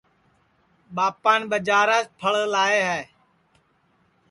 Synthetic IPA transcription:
ɓaːpaːnɓəd͡ʒaːɾaːt͡ʃpʰəɭlaːeːɦɛː

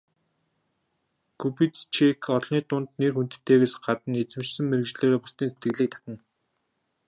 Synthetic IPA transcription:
kʰupit͡st͡ɕʰekʰɔɮniːt̪ʊnt̪nerxun̥t̪̆t̪ːeːɣeːsɢat̪ə̆net͡sɘ̆mt͡ɕsɘ̆ŋmeɾɘ̆kt͡ɕɮeːɾeːpʊst̪iːnset̪ɡɘ̆ɣɮiːk̚t̪ʰḁt̪ə̆n

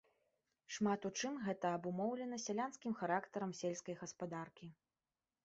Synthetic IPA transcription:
ʂmat̪ut͡ʂɨmɣɛt̪ɐɐbumɔwlʲɛnɐsʲalʲanskʲimxaɾakt̪ɐɾɐmsʲelʲskɐjɣɐspad̪arkʲi

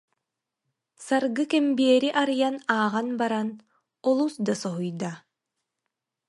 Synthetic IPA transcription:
saɾɡɯkɛmbiɛɾiʔaɾɯjanaːʁanbaɾan | ɔlˠusd̪asɔɦujd̪a

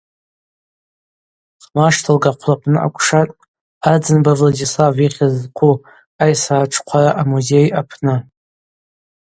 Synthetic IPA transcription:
χmaʂtʰalɡaqʷʰlapʰnɨʔa̰kʷʰʼʂatʼ | ad͡zɨnbavladislaviχʲazqʷʰu | ajsaːʈ͡ʂʰqʷʰaɾaʔamuze̞japʰnɨ

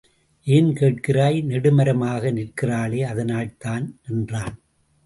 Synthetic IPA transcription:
ʔeːnkeːʈ̚kɪraːjnɛɽɯmɐɾɐmaːɣɐnɪrkɪraːɭeːɐðɐnaːɭt̪aːnɛndraːn

